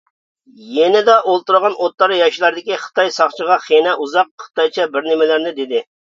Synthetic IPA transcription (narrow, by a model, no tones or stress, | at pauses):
jɛnɪd̪ɑʔolˠt̪uɾʁɑnot̪lˠɑɾjɑʃlˠɑɾd̪ɪkʲiχə̥t̪ɑjsɑχt͡ʃʰəʁɑχenɛʔuzɑq̚χə̥t̪ɑjt͡ʃʰɑbɪɾnɪmɪlɪɾnɪd̪ɪd̪ɪ